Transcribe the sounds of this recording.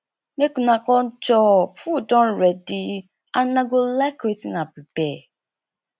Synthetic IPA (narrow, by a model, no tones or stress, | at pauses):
nekũnãkɔnt͡ʃɔpudɔ̃nɾɛdi | anãɡolaketinãpibɛ